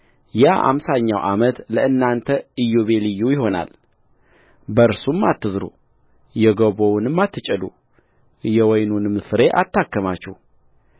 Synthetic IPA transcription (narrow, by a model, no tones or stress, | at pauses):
jaʔa̰msaɲːawʔamət̪ləɨnːant̪ʰəɨjːoβe̞lɨjːujɪɦo̞na̰l | bəɨɾsumːat̪ːɨzɾṵ | jɛɡəβownɨmːat̪ʰːɨt͡ʃʼɛlṵ | jɛwɔjnunɨmsɨɾe̞ʔat̪ʰːakːəmat͡ʃːɛh